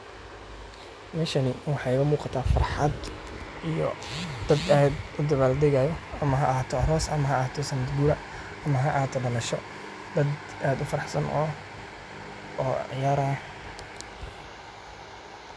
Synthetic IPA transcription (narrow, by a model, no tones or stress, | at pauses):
mɛːʃɐnɪwɑħɑjʊmuːqɑt̪ʰaːfɐ̰rħɑd̪ | ijɔ̰d̪̥ɐd̪ɐɛd̪ʊd̪ɐβaːld̪ɛɣajɔɐmɐɦɐʔaːt̪ʰɔɐɦɔːsɐmɐɦɐːt̪ʰɔsɐmɐd̪buːɾɐ | ɐmɐɦɐʔɐhaːt̪ʰɔbɐnɐʃɔ | d̪ɐd̪ | aːd̪ʊfɐɾɑħsɐnʔɔ̰ | ʕɪjaːɾɐ